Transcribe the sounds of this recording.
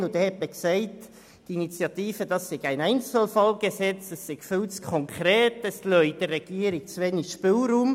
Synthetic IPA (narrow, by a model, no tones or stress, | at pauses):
ʊdɛhɛt̪məksɛɪt | d̥init͡sjɑt̪iːfəd̥ɑsːɪɡ̥æɪnæɪnt͡səl̩fɑlɡ̥esɛt͡sɛsːɪɡ̥fʏlskʰɔŋkʰɾɛːtɛslœʏd̥ərɛɡ̥iːəɾiɡ̥̚t͡sʋɛniʃpɪlruːm